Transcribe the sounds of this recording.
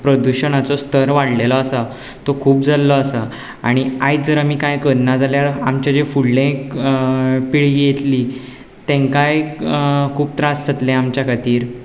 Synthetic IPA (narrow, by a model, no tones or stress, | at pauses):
pɾɔd̪uɕənat͡sɔst̪əɾʋaɽlelɔːsa | t̪okʰuːpd͡zʱalːɔasə | a̰ɽ̃iajd͡zəɾamiːkajkəɾnad͡zaljaɾamt͡ɕjad͡ʑefulɖẽk | piɭɡijet̪li | t̪ẽŋkaj | kʰuːb̚t̪ɾãssət̪lẽamt͡ɕjakʰat̪iːɾ